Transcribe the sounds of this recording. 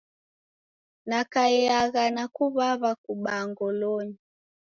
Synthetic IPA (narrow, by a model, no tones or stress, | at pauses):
nakaiaɣanakuβaβakuɓaŋɡɔlɔɲi